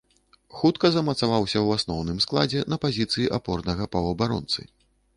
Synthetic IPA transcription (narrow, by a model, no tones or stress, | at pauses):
xut̪kɐzɐmɐt̪savawsʲɐwasnɔwnɨmsklˠad͡zʲɛnɐpazʲit̪sɨjiʔapɔrnɐɣɐpɐwɐbaɾɔ̰nt̪sɨ̰